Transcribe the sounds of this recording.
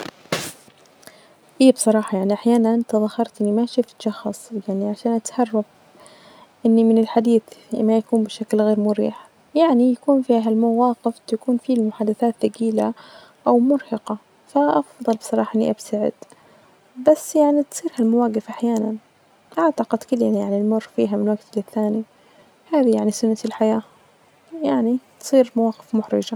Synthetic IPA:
ʔiːbsˤɑɾˤɑːħɑjaʕniʔaħjaːnaʔt̪aðˤɑhɑɾˤt̪ʔɪnːimaʃɪft̪ʃɑxɑsˤjaʕniʕaʃaːnʔat̪hɑrˤːɑf | ʔɪnːimɪnɪlħad̪iːθmajakuːnbɪʃaklɣeːɾmʊɾḭːħ | jaʕnijakuːnfiɦalmawaːqɪft̪akuːnfilmʊħaːd̪aθaːt̪ːaɡiːla | ʔawmʊɾhɑqɑ | faʔɑfðˤɑlbɪ̥sˤɑɾˤɑːħɑʔɪnːḭʔabsaʕɪ̰d̪̥ | basːjaʕnit̪sˤiːɾhalmawaːɡɪfʔaħjaːnan | ʔaʕt̪aqɪd̪kɪlːanjaʕnilmʊrˤːfḭːɦamɪnwaɡt̪ɪlɪθːaːni | haːðijaʕnisʊnːat̪ɪlħajaː | jaʕnit̪sˤiːɾmawaːqɪ̥fmʊħɾɪ̰d͡ʒa

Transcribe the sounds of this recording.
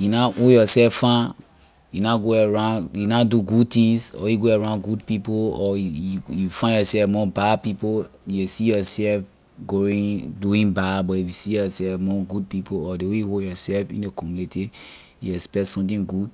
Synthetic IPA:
junaʔojɔsɛffã | junaɡoaɹãjunaduɡud̚tĩŋsɔ̰juɡoaɹãnɡudpipoɔjufãnjɔsɛfmɔbadpipoesijɔsɛlf | ɡoĩduĩnbadbɔifusijɔsɛlfmɔɡud̚pipoɔdewejuhojɔsɛlfḭ̃nekɔmunete | juɛkspɛktsɔ̃mtĩŋɡud

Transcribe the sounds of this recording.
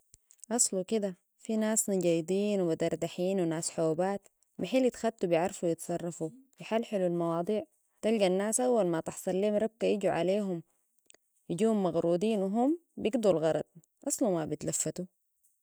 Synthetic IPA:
ʔɑsˤlukid̪a | finaːsnaɟaːjd̪ˤiːnwibad̪ɑɾˤd̪aħiːnwinaːsħoːbaːt̪ | maħiːlɪt̪xat̪ːubjɪʕɾˤɑfuwjɪt̪sˤɑrˤːɑfufiħalːħɪlulmɑwɑːd̪ˤiːʕ | t̪alɡanːaːsʔawːalmat̪ɪħsˤɑlːiːmɾˤɑb̚kajiɟuʕa̰leːɦum | jiɟiːhumːɑɣɾuːd̪iːnwɦumbjiɡd̪ulɣɑɾˤɑ̰d̪̚ˤ | ʔɑsˤlumabit̪lafːat̪u

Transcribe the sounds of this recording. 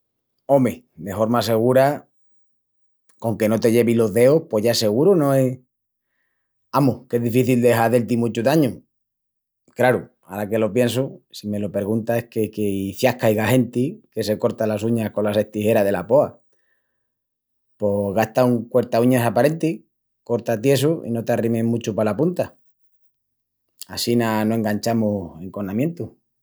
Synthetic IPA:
o̞me | d̪e̞fo̞ɾmase̞ɣ̞uɾa | koŋke̞no̞t̪e̞ʝe̞βilo̞ðe̞ohpo̞ʝaese̞ɣuɾonõ̞e̞ | amohke̞ɦðifiθild̪e̞ɦaðe̞lt̪imut͡ʃuðaɲu | klaɾu | aɾake̞lo̞pje̞ns̬usime̞lo̞pe̞ɾɣunt̪ae̞hkekeifjahkajɣaɦe̞nt̪ike̞se̞ko̞ɾt̪alasuɲahko̞lase̞ht̪ihe̞ɾaðe̞lapo̞a | po̞ɣaht̪auŋkwe̞ɾt̪auɲasapaɾe̞nt̪i | ko̞ɾt̪at̪je̞s̬uḭno̞t̪arimemũt͡ʃupalapunt̪a | asinanoe̞ŋɡaɲt͡ʃamue̞ŋko̞namje̞nt̪u

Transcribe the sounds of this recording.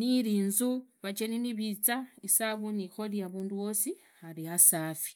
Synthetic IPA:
niɾiːnzuβat͡ʃeniniβit͡saisaβunixo̞liaβuːnduwo̞si | xaɾiasaːfi̥

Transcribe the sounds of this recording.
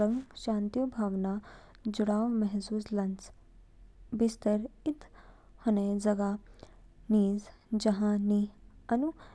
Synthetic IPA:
əŋɡʃãːnt̪ijubʱaːʋna | d͡ʒʊɽaːwmɛɦsuːslɐ̃nt͡ʃ | bɪst̪əɾɪt̪ | hɐned͡ʒɐɡa | niːz | d͡ʒɐɦãniɐnu

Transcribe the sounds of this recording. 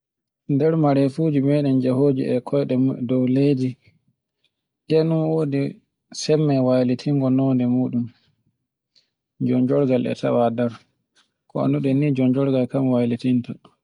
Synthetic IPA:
ndɛɾmaɾɛfud͡ʒimɛːɗɛnd͡ʒɛhoːd͡ʒḭʔɛkʰɔjɗɛdɔwleːd͡ʒi | ɗɛnunwoːdi | sɛmːɛwajlitʰiŋɡɔnɔndɛmuːɗun | d͡ʒɔɲd͡ʒɔɾɡalʔɛ̰tʰa̰wadɛɾ | kɔ̰a̰nduɗɛnːid͡ʒɔnd͡ʒɔɾɡalkamwalitinta

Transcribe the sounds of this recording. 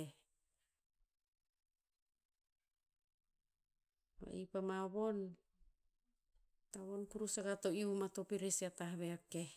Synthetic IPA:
e | ma̰ḛjpamaβo̞n | taβo̞nkuɾusaɡato̞iumato̞piɾesiataɦβeake̞

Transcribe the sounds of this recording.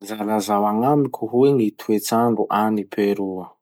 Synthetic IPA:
zalazawaŋamikʲʰuɦueŋit̪ʰuet͡saɳɖ͡ʐuʔanipʰeɾuə

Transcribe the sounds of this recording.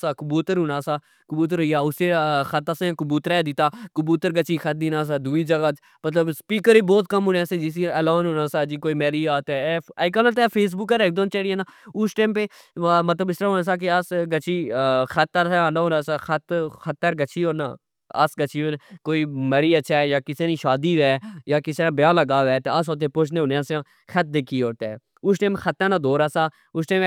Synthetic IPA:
saːkʊbuːt̪əɾɦʊ̃naːsaː | kʊbuːt̪̬əɾɦoːiaːʊseːxət̪asẽkʊbuːt̪əɾɛːd̪ɪt̪ːaːkəbuːt̪əɾɡət͡ʃiːxʰət̪̚d̪iːnaːs̬aːd̪uːiːd͡ʒəɡaːt͡ʃ | mət̪ləbspiːkəɾiːbɔːt̪kəmɦʊnãːsẽd͡ʒɪs̬iəloːnɦõːnaːsaːd͡ʒiːkoːiːmɛːɾiːaːt̪ɛːk̬anaːt̪ɛːpʰeːs̬bʊkːəɾeːk̚d̪õːnt͡ʃəɽiãːnaːʊsʈẽːmpeː | mət̪ləbɪst̪ɾaːɦoːnãːsaːk̬easɡət͡ʃʰiːxət̪ːaseãːnaɦõːnãːsaːxət̪xət̪ːəɾɡət͡ʃʰiːɦoːna̰ː | a̰sɡət͡ʃʰiːonkoːiːmɛɾiːətːʃʰaːɛjaːkɪsenĩːʃaːd̪iːʋɛːjaːkɪsãːbjãːləɡaːʋɛːt̪eas̬oːt̪̬ẽːpoːt͡ʃʰneːʊnãːseãː | xʰət̪̚d̪eːkʰiːoːt̪e | ʊsʈẽːmxʰət̪ːãːnãːd̪ʱoːɾaːsaː | ʊsʈeːm

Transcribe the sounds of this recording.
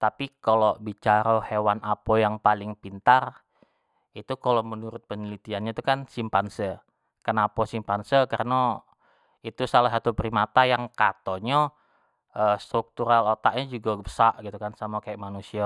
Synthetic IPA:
t̪apikalobit͡ʃaɾahewanapojaŋpalɪŋpint̪ar | it̪ukalomənuɾʊt̪̚pəɲəlit̪ianɲat̪ukansimpansə | kənapasimpansəkarəna | it̪usalaɦat̪upɾimat̪ajaŋkat̪oɲa | əst̪ɾuk̚t̪uɾalot̪aʔ̚ɲad͡ʒuɡaɡbəsaʔɡit̪ukansamakajaʔmanusia

